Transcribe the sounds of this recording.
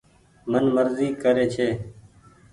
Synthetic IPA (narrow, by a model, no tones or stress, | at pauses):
mənməɾziːkəɾeːt͡ʃʰeː